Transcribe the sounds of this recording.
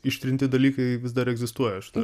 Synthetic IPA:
ɪʃʲt̪ʲɾʲɪnʲt̪ʲɪd̪ɐlʲiːkɐɪʋʲɪzd̪ɐɾɛɡzʲɪst̪uɔjɛʃʲɪt̪ɐ

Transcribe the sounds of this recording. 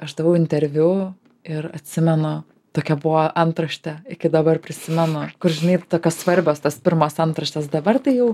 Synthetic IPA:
ɐʃd̪ɐʋɐʊɪnʲt̪ʲɛɾʲʋʲʊ | ɪrɐt̪ʲsʲɪmʲɛnʊ | t̪oːkʲɛbʊʋoːʔɐnt̪ɾɐʃʲt̪ʲɛɪkʲɪd̪ɐbɐrpʲɾʲɪsʲɪmʲɛnʊkʊrʒʲɪnɐɪt̪oːkʲoːssʋɐɾʲbʲoːst̪ɐspʲɪɾmoːsɐnt̪ɾɐʃʲt̪ʲɛsd̪ɐbɐrt̪ɐɪjɛʊ

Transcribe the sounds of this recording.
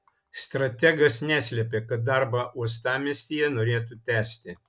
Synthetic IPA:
st̪ɾɐt̪ʲɛɡɐsnʲæːsʲlʲɛpʲeːkɐt̪̚d̪ɑɾbɑːuɔst̪ɑːmʲɛsʲt̪ʲijɛnoːɾʲeːt̪ut̪ʲæːsʲt̪ʲɪ

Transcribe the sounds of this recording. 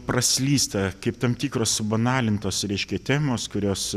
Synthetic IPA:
prɐsʲlʲiːst̪ɐkɐɪpt̪ɐmt̪ʲiːkroːsbɐnɑːlʲɪnt̪oːsɾʲɛɪʃʲkʲɛt̪ʲæːmoːskʊɾʲoːs

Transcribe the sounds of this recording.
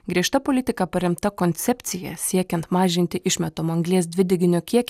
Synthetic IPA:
ɡɾʲiɛʃt̪ɐpoːlʲɪt̪ʲɪkɐpɐɾʲɪmt̪ɐkoːnʲt̪sʲɛpʲt̪sʲɪjɛ̰sʲiɛkʲɛnt̪mɑːʒʲɪnʲt̪ʲɪʔɪʃʲmʲɛt̪oːmɐŋɡlʲiɛs̬d̪ʲʋʲɪd̪ʲɪɡʲɪnʲokʲiɛkʲ

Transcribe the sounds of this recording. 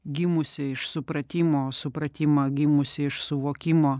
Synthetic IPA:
ɡʲɪmʊsʲɪɪʃsʊpɾɐt̪ʲɪmoːsʊpɾɐt̪ʲɪmɐɡʲɪmʊsʲɪɪʃsʊʋoːkʲɪmoː

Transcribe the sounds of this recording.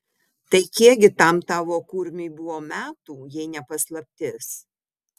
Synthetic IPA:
t̪ɐɪkʲiɛɡʲɪt̪ɐmt̪ɑːʋoːkuɾʲmʲɪɪbʊʋoːmʲæːt̪uːjɛɪnʲɛpɐslˠɐpʲt̪ʲɪs

